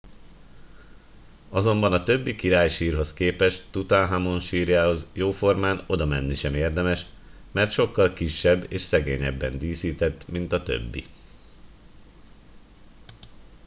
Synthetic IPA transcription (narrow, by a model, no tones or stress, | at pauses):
ɒzo̞mbɒnɒt̪ø̞bːikiɾaːjʃiːrɦo̞skeːpɛʃt̪ut̪aːnɦamo̞nʃiːrjaːho̞zjoːfo̞rmaːno̞d̪ɒmɛnːiʃɛmeːrd̪ɛmɛʃ | mɛrt̪ʃo̞kːɒlkiʃːɛbːeːʃsɛɡḛːɲɛ̰bːɛnd̪iːsiːt̪ɛt̪ːmint̪ɒt̪ø̰bːḭ